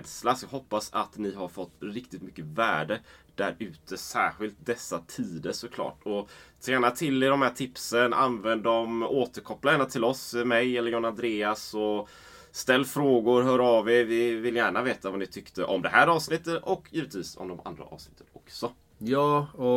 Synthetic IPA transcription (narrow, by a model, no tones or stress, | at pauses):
d̪slasjɑɦɔpːasat̪nɪɦaɾfɔt̪ːɾɪkt̪ɪt̪mʏkːəvæːɖəd̪̥æɾʉ̟ːt̪ʰəsæːɾɧɪlt̪̚d̪ɛsːat̪ʰiːd̪əʂɔkʰlɑ̰ːʈɔt̪ʰɾæːnat̪ʰɪlːɪd̪ɔmhæːʈʰɪpsənʔa̰nvɛnd̪ɔmoːt̪əɾkʰɔpːlajæːnat̪ʰɪlɔsmɛjɛlːəɾjɔːnand̪ɾeːasɔ | st̪ɛlːfɾoːɡʊɾɦœːɾavɛvɪvɪlːjæːɳaveːt̪avanɪt̪ʰʏkt̪əʔɔmd̪ɛɦæːɾɑːvsnɪt̪ːət̪ɔkːjiːvət̪viːsɔ̰md̪ɔmʔa̰nd̪ɾa̰ʔɑ̰ːvsnɪt̪ːə̥nɔksɔ | jɑːɔ